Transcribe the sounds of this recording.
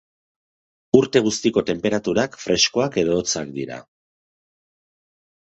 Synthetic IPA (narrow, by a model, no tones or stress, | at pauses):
uɾt̪e̞ɣ̞ust̪iko̞t̪e̞mpe̞ɾat̪uɾakfɾe̞sko̞ake̞ðo̞ːt͡sakd̪iɾa̰